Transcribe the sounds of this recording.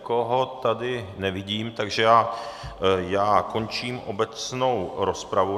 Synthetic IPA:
koɦo̞t̪adɪnɛvɪɟiːmt̪aɡʒɛjaː | jaːko̞nt͡ʃiːmʔobɛt͡sno̞wɾospɾavu

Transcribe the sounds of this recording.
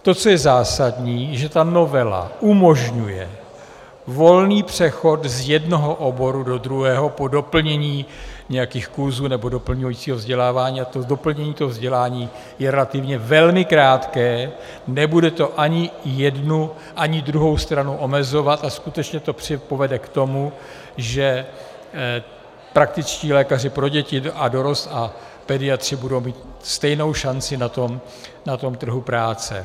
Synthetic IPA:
t̪o̞t͡sojɛzaːsadɲiːʒɛt̪ano̞vɛla̰ʔumo̞ʒɲujɛ̰ | vo̞lniːpr̝̥ɛxo̞t̪zjɛdno̞ɦo̞ʔobo̞ɾudo̞d̪ɾuɦɛːɦo̞po̞do̞pl̩ɲɛɲiːɲɛjakixkuɾzuːnɛbo̞do̞pl̩ɲujit͡siːɦovzɟɛlaːvaːɲiːat̪odo̞pl̩ɲɛɲiːt̪oɦovzɟɛlaːɲiː | jɛɾɛlat̪ɪvɲɛvɛlmɪkɾaːt̪kɛː | nɛbudɛt̪o̞ʔaɲɪjɛdnu | ʔaɲɪdɾuɦo̞wst̪ɾanuʔo̞mɛzo̞vat̪askut̪ɛt͡ʃɲɛt̪o̞pr̥ɪpo̞vɛdɛkt̪o̞mu | ʒɛ | pɾak̚t̪ɪt͡sciːlɛːkar̝ɪpɾo̞ɟɛcɪado̞ɾo̞st̪a | pɛdɪat̪r̝̥ɪbudo̞wmiːt̪st̪ɛjno̞wʃant͡sɪnat̪o̞m | nat̪o̞mt̪r̩ɦupɾaːt͡sɛ̰

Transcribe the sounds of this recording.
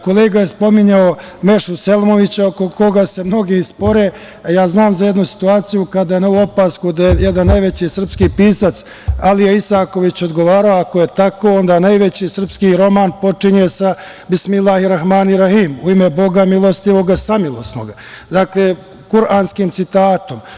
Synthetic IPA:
ko̞leːɡajespo̞miɲao | me̞ʃuselmoʋit͡ɕaokoko̞ɡase̞mno̞ɡispo̞ɾe̞ | jaːznaːmzajed̪nusi̥t̪uaːt̪sijukad̪ajeneuo̞paːskud̪ajejed̪anːajʋe̞t͡ɕisr̩pskipiːsat̪s | alijeisaːko̞ʋit͡ɕo̞d̪ɡoʋaːɾaoako̞jet̪ako̞o̞nd̪aːnajʋe̞t͡ɕisr̩pskiɾo̞maːnpo̞t͡ʂiɲesa | bismilahiɾaxmaːniɾahiːmuimebo̞ɡamilˠo̞st̪iʋo̞ɡasamilˠost̪no̰ɡa | d̪aːkleː | kuɾʔaːnskiːmt̪sit̪aːt̪o̞m

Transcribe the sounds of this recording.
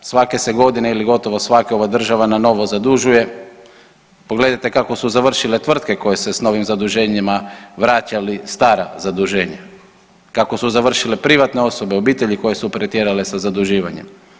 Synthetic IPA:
sʋake̞se̞ɡo̞d̪ineiliɡo̞t̪o̞ʋo̞sʋakeo̞ʋad̪r̩ʒaʋanano̞ʋo̞zad̪uʒuje̞ | poɡle̞d̪ajt̪e̞kako̞suzaʋr̩ʃile̞t̪ʋr̩t̪ke̞ko̞je̞se̞sno̞ʋimzad̪uʒe̞ɲimaʋɾaːt͡ɕalist̪aːɾa̰zad̪uʒe̞ːɲa | kako̞suzaʋr̩ʃile̞pɾiʋat̪ne̞o̞so̞be̞o̞biːt̪e̞ʎiko̞je̞supɾet̪jeɾale̞sazad̪uʒiːʋaɲe̞̰m

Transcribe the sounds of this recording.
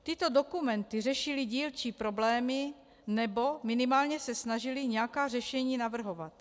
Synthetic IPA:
t̪ɪt̪o̞do̞kumɛnt̪ɪr̝ɛʃɪliɟiːlt͡ʃipɾo̞blɛːmɪ | nɛbo̞mɪnɪmaːlɲɛsɛsnaʒɪlɪɲɛakaːrɛʃɛɲiːnavr̩ɦo̞vat̪

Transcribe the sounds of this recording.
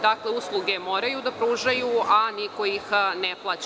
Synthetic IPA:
d̪akleuslˠuɡe̞moːɾajud̪apɾuʒajuʔaniko̞jixneplˠat͡ɕ

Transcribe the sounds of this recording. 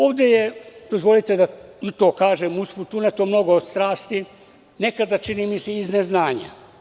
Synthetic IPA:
o̞ːʋd̪ejed̪o̞zʋo̞lit̪e̞d̪ait̪o̞ːkaːʒemusfut̪unet̪omno̞ɡoːd̪st̪ɾaːst̪i | ne̞kad̪at͡ʃinimiseizneznaːɲa̰

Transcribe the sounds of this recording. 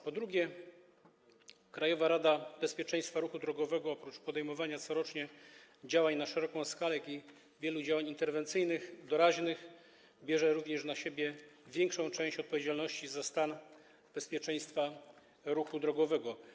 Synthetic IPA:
pɔd̪ɾuɡʲjɛ | kɾajɔvaɾad̪abɛspʲjɛt͡ʂɛj̃st̪faɾuxud̪ɾɔɡɔvɛɡɔɔpɾut͡ʂpɔd̪ɛjmɔvaɲat̪sɔɾɔt͡ʂɲɛd͡ʑawaɲnaʂɛɾɔkɔ̃w̃skalɛjakʲi | vʲjɛlud͡ʑawaɲint̪ɛɾvɛnt̪sɘjnɘxd̪ɔɾaʑnɘx | bʲjɛʐɛɾuvɲɛʂnaɕebʲjɛvʲjɛŋkʂɔ̃w̃t͡ʂɛ̃ɕt͡ɕɔt̪̚pɔvʲjed͡ʑalnɔɕt͡ɕizast̪an | b̥ɛspʲjɛt͡ʂɛj̃st̪fa | ɾuxud̪ɾɔɡɔvɛɡɔ

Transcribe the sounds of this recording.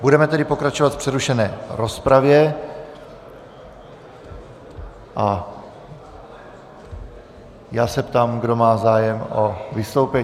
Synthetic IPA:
budɛmɛt̪ɛdɪpo̞kɾat͡ʃovat̪fpr̥ɛɾuʃɛnɛːɾo̞spɾavjɛ | ʔa | jaːsɛpt̪aːmɡdo̞maːzaːjɛmovɪst̪o̞wpɛ

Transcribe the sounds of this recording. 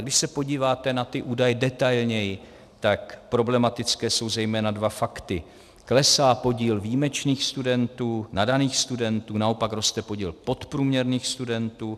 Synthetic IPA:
ɡdɪʃsɛpo̞ɟiːvaːt̪ɛnat̪ɪʔuːdajɛdɛt̪ajlɲɛjɪ | t̪akpɾo̞blɛmat̪ɪt͡skɛːso̞wzɛjmɛːnadvafakt̪ɪ | klɛsaːpo̞ɟiːlviːmɛt͡ʃniːxst̪udɛnt̪uːnadaniːxst̪udɛnt̪uːnao̞pakɾost̪ɛpo̞ɟiːlpo̞t̪pɾuːmɲɛɾniːxst̪udɛnt̪uː

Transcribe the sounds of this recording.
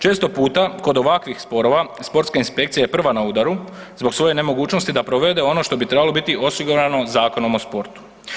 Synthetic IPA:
t͡ʃe̞ːst̪o̞puːt̪ako̞d̪o̞ʋakʋixspo̞ɾo̞ʋaspo̞ɾt̪skainspe̞kt̪sijajepr̩ʋanauːd̪aɾu | zbo̞ksʋo̞je̞ne̞mo̞ɡuːt͡ʃno̞st̪id̪apɾo̞ʋe̞d̪eo̞no̞ʃt̪o̞bit̪ɾebalo̞bit̪iʔo̞siɡuɾano̞zaːko̞no̞mospo̞ɾt̪u̥

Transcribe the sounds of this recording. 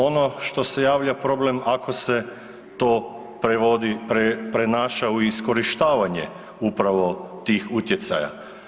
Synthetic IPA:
o̞no̞ʃt̪o̞se̞jaːʋʎapɾo̞ble̞mako̞se̞ | t̪oː | pɾeod̪ipɾepɾenaːʃauiisko̞ɾiʃt̪aːʋaɲḛ | upɾaʋo̞t̪iːxut̪je̞t̪sa̰ja̰

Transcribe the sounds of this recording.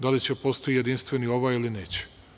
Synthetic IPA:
d̪alit͡ɕepost̪oije̞d̪inst̪ʋenio̞ʋajilineːt͡ɕe̥

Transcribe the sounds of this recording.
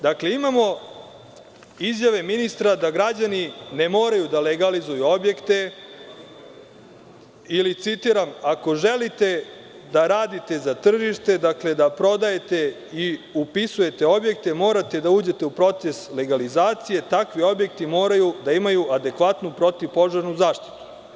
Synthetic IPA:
d̪akle̞imamo̞ | izjaʋe̞minist̪ɾad̪aɡɾad͡ʑanine̞mo̞ːɾajud̪aleɡalizujuo̞bje̞kt̪e̞ | ilit̪sit̪iɾamako̞ʒe̞lit̪e̞ | d̪aɾaːd̪it̪e̞zat̪r̩ʒiʃt̪e̞d̪akle̞d̪apɾo̞d̪aje̞t̪e̞ | iupisuje̞t̪e̞o̞bje̞k̚t̪e̞mo̞ːɾat̪e̞d̪auːd͡ʑe̞t̪e̞upɾo̞t̪se̞sle̞ɡalizaːt̪sije̞t̪akʋio̞bjekt̪imo̞ːɾajud̪aimajuʔad̪e̞kʋat̪nupɾo̞t̪iʋpo̞ʒaɾnuzaːʃt̪i̥t̪u̥

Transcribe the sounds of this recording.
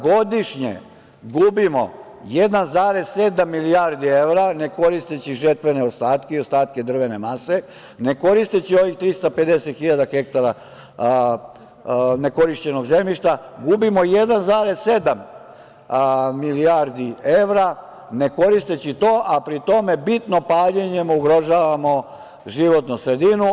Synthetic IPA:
ɡo̞d̪iʃɲḛ | ɡubimo̞̰ | jed̪anzaɾe̞z̥se̞d̪amːiliaɾd̪ie̞ʋɾane̞ko̞ɾist̪et͡ɕiʒet̪ʋeneost̪aːt̪keiost̪aːt̪̚ke̞d̪r̩ʋe̞ne̞mase̞ | ne̞ko̞ɾist̪et͡ɕio̞ʋixt̪ɾist̪ape̞d̪eset̪xiʎad̪axek̚t̪aɾa | ne̞ko̞ɾiʃt͡ɕe̞no̞ɡze̞mʎiʃt̪aɡubimo̞jed̪anzaɾe̞zse̞d̪am | miliaɾd̪ieʋɾa | ne̞ko̞ɾist̪e̞t͡ɕit̪oːʔapɾit̪o̞me̞bit̪no̞paːʎeɲe̞muɡɾo̞ʒaːʋamo̞ | ʒiʋo̞t̪nusɾe̞d̪inu

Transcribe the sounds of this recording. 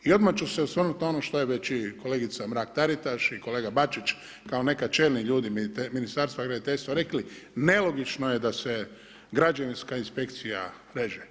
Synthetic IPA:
io̞d̪mat͡ʃuseusʋr̩nut̪nao̞noʃt̪o̞jeʋe̞t͡ʃiko̞leɡit̪samɾaːk̚t̪aɾit̪aʃiko̞leːɡabat͡ʃit͡ʃ | kaone̞kat͡ʃe̞ːlniʎuːd̪imminist̪aɾst̪ʋaɡɾad̪it̪eʎʲst̪ʋaɾe̞kline̞lo̞ɡit͡ʃnojed̪ase | ɡɾad͡ʒaʋinskainspe̞kt̪sija̰ | ɾeʒe

